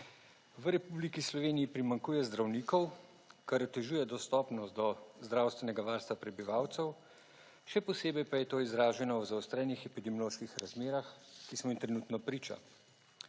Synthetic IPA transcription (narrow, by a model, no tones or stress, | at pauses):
ʋəɾɛpublikislɔʋeːnijːpɾimaŋkuːjɛzd̪ɾawniːkɔw | kaɾɔt̪ɛʒuːjɛd̪ɔst̪ɔːpnɔst̪d̪ɔzd̪ɾaːwst̪ʋɛnɛɡaʋaɾst̪ʋapɾɛbiʋaːwt̪sɛw | ʃɛpɔseːbɛjpajɛt̪oːizɾaːʒɛnɔwzawst̪ɾɛnixɛpid̪ɛmjɔloːʃkixɾazmeːɾaxkismɔimt̪ɾɛnuːt̪nɔpɾiːt͡ʃa̰